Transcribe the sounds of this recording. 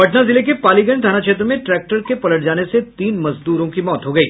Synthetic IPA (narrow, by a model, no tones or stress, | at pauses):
bɐʈnazɪlekepaːliɡə̃ɳd̪ʱaːñakʃeːt̪̬ɾəmẽʈɾɛːk̚ʈəɾkepɐləʈ̚d͡ʒaːneset̪iːnmɐzd̪uːɾõkimɔːt̪ɦoɡɐiː